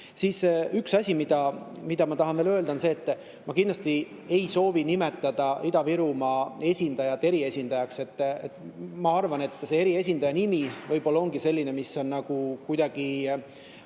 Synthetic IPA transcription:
sisyksɑsʲimid̪̥ɑmid̪ɑmɑt̪ɑɦɑnveːløld̪ɑonse̞ːt̪ːˑ | mɑkind̪lɑst̪i | e̞jso̞ːvinime̞t̪ːˑɑd̪̥ɑid̪̥ɑviɾumɑe̞sʲind̪̥ɑjɑt̪ːˑe̞ɾie̞sʲind̪̥ɑjɑkse̞t̪ːet̪mɑɑrvɑne̞t̪ːˑse̞e̞ɾie̞s̬ʲind̪ɑjɑnimivɤjbo̞lːɑo̞ŋɡise̞lʲːinemiso̞nnɑɡ̥ukujd̪̥ɑɡ̥i

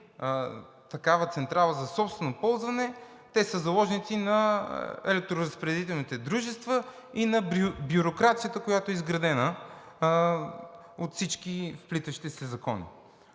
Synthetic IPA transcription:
t̪ɐkavət̪sɛnt̪ɾalˠəzɐsɔpst̪vɛnopɔlˠzvɐnɛ | t̪ɛsəzɐlˠɔʒnit̪sinɐɛ̰lɛk̚t̪ɾoɾəspɾɛɛd̪it̪ɛlˠnit̪ɛd̪ɾuʒɛst̪və | inɐbjʊɾokɾat̪sijət̪əkojat̪oɛizɡɾɐd̪ɛnə | ot̪fsit͡ʃkifplit̪əʃi̥t̪isɛzɐkɔnḭ

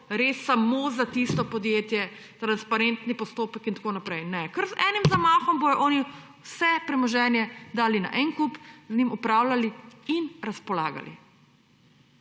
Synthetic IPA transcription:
ɾesːamoːzat̪ist̪ɔpɔd̪jeːt̪jɛ | t̪ɾanspaɾent̪nipɔst̪oːpəkint̪ḁkoːnapɾɛjnɛkəɾzɛːnimzamaːxɔmbojɔʔɔːni | wsɛpɾɛmɔʒɛːnjɛd̪aːlina̰ʔɛŋkupznimupɾaːwlaliinɾaspɔla̰ːɡa̰lḭ

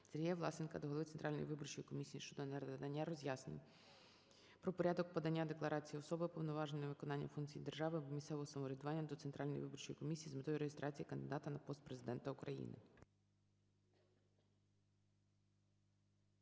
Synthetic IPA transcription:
t̪sɛɾʲjɛʋlˠɑsɪnkɐd̪ɔɦlˠʋɪt̪ent̪ɾʔɑlʲnɔ̰jḭʋɪbɔrt͡ʃɔjikɔmʲisʲijiʃt͡ʃɔd̪ɔnɛɾd̪ɐnʲːaɾɔzʲjasnʲɪ̰ | pɾɔpɔɾʲad̪ɔk̚pɔd̪ɐnʲːad̪eklˠɐɾɑt͡sʲijiɔsɔbɪpɔʋnɔʋɑʒnɔjɔʋɪkɔnɑnʲːɐfunkt͡sʲijid̪erʒɑʋɪmʲisɛʋɔɦɔsɐmɔɾʲɛd̪ʊʋɑnʲːɐd̪ɔt̪sent̪ɾʔɑlʲnɔjḭʋɪbɔrt͡ʃɔjikɔmʲisʲijizmɪt̪ɔjiɾeɦɪst̪ɾʔɑt͡sʲijikɐnd̪ɪd̪ɑt̪ɐnɐpɔst̪̚pɾezɪd̪ɛnt̪ɐʊkɾɐjḭnɪ̰

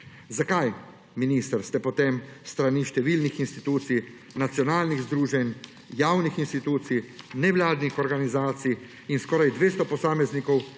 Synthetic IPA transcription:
zakaj | miniːst̪əɾst̪ɛpɔt̪emst̪ɾaniʃt̪ɛʋilnixinst̪it̪uːt̪sij | nat̪sijɔnaːlniɣzd̪ɾuːʒɛn | jaːwnixinst̪it̪uːt̪sijnɛʋlaːd̪nixɔɾɡanizaːt̪sij | inskɔːɾajd̪ʋeːst̪ɔpɔsaːmɛznikɔw

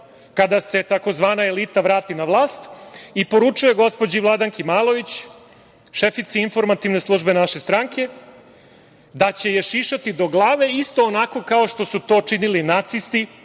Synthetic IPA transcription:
kad̪ase̞t̪ako̞zʋaːnae̞lit̪aʋɾaːt̪inaʋlˠaːst̪ipo̞ɾut͡ʂuje̞ɡo̞spo̞d͡ʑiʋlˠad̪aŋkimaːlo̞ʋit͡ɕ | ʃefit̪siinfo̞ɾmat̪iʋne̞slˠuːʒbe̞naʃe̞st̪ɾaŋke̞ | d̪at͡ɕe̞jeʃiʃat̪id̪o̞ɡlˠaːʋe̞ist̪o̞ːnako̞kao̞ʃt̪o̞sut̪o̞ːt͡ʂinilinat̪sist̪i

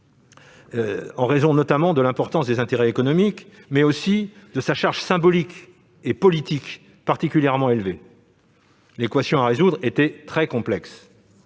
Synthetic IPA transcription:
ɑ̃ʁezɔ̃nɔt̪amɑ̃d̪əlɛ̃pɔʁt̪ɑ̃sd̪ezɛ̃t̪eʁɛekɔnɔmikmɛosid̪əsaʃaʁʒsɛ̃bɔlik | epɔlit̪ik | paʁt̪ikʲyljɛʁmɑ̃elve | lekwasjɔ̃aʁezud̪ʁet̪ɛt̪χɛkɔ̃plɛks

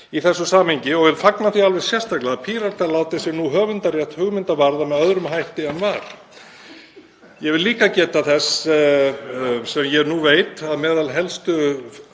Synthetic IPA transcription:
iθɛsːʏsaːmhɪɲcɪɔɣvɪlfaknaθialvɛɣ̥sjɛr̥st̪ajklɪaapʰiːɾaɾ̥t̪ʰalaːwt̪ɪsɪɾnuɦœːɣvʏnt̪arjɛht̪hʏɣmɪnt̪avaɾðamɛðœðɾʏmɦajht̪ɪɛnvaɾ̥ | jɛɣvɪliːkacɛːt̪aθɛs | sɛmjɛnuveːjt̪aðmɛːðalɦɛlst̪ʏ

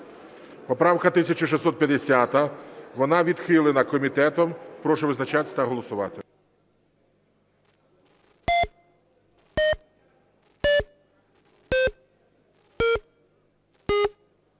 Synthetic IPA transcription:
pɔpɾɑwkɐt̪ɪsʲɐt͡ʃɔʃ̬ɪsːɔt̪̚pʲjɐd̪esʲat̪ɐʋɔnɑʋʲid̪xɪlˠɪnɐkɔmʲit̪ɛt̪ɔmpɾɔʃɛʋɪznɐt͡ʃat̪ɪ̥t̪ɐɦɔlˠɔsʊʋɑ̰t̪ɪ

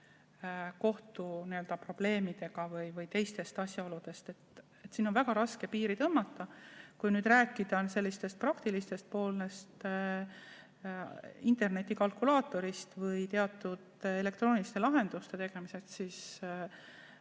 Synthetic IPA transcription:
ko̞ht̪uniø̞ld̪ɑpro̞b̥le̞ːmid̪̥e̞ɡ̥ɑvɯjvɯjt̪e̞jst̪e̞st̪ɑsʲjɑo̞lud̪e̞st̪e̞t̪ | et̪ːsiːnonvæɡ̥ɑɾɑske̞piːɾit̪ɤmːɑt̪ːɑkujnyːd̪ræːkːˑid̪̥ɑnse̞lːist̪e̞st̪̚prɑkt̪ilist̪e̞st̪̚po̞ːle̞st̪ | int̪e̞rne̞t̪ːˑikɑlkulɑːt̪ːˑo̞ɾist̪vɤjt̪e̞ɑt̪ːˑud̪e̞le̞k̚t̪roːnilist̪e̞lɑɦe̞nd̪̥ust̪e̞t̪e̞ɡ̥e̞mise̞st̪siːs

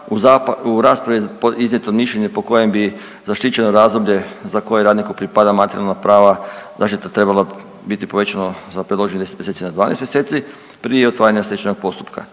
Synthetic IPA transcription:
uzauɾaːspɾaʋipiznʲɲe̞t̪omiʃʎeɲepo̞ko̞je̞mbi | zaʃt̪it͡ɕe̞noɾaːzd̪o̞bʎe̞zako̞jeɾaːd̪nikopɾipad̪amat̪eɾijalnapɾaːʋazaʃt̪it̪at̪ɾe̞balˠa | bit̪ipo̞ʋe̞t͡ɕanozapɾed̪loʒeɲed̪eset̪mjeset̪inad̪ʋaːnḛst̪mjeset̪si | pɾijeot̪ʋaːɾaɲemaslʲjet͡ʃeno̞ɡ̥̚po̞st̪u̥pka̰

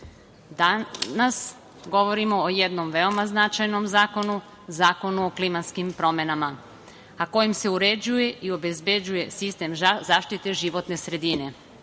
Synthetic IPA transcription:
d̪anas | ɡo̞ʋo̞ɾimo̞ːje̞d̪no̞mʋe̞o̞maznat͡ʃajno̞mzaːko̞nu | zaːko̞nuoklimat̪skimpɾo̞me̞nama | ako̞jimse̞uɾe̞d͡ʑuje̞ʔio̞be̞zbe̞d͡ʑuje̞sist̪e̞mzaːʃt̪it̪e̞ʒiʋo̞t̪ne̞sɾe̞d̪ine̞

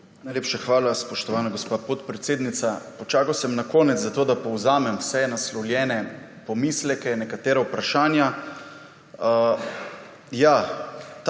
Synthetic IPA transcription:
najleːpʃaxʋaːlaspɔʃt̪ɔʋaːnaɡospaːpɔt̪pɾɛt̪seːd̪nit̪sapɔt͡ʃaːkawsɛmnakɔːnɛt̪zzat̪oːd̪apɔwzaːmɛmwsɛnaslɔwljɛːnɛ | pɔmislɛkɛnɛkat̪eːɾawpɾaʃaːnja | jat̪

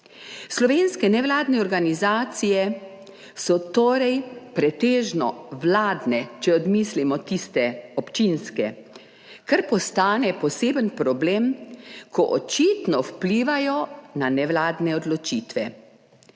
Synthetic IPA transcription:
slɔʋeːnskɛnɛʋlaːd̪nɛɔɾɡanizaːt̪sijɛ | sɔt̪oːɾɛjpɾɛt̪eːʒnɔʋlaːd̪nɛt͡ʃɛɔd̪mislimɔt̪ist̪ɛɔpt͡ʃinskɛ | kaɾpɔst̪aːnɛpɔseːbənpɾɔblemkʰɔʔɔt͡ʃiːt̪nɔwpliːʋajɔnanɛʋlaːd̪nɛɔd̪lɔt͡ʃiːt̪ʋɛ

